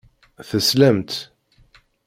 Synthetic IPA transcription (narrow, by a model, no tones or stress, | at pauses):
θəsləmt̪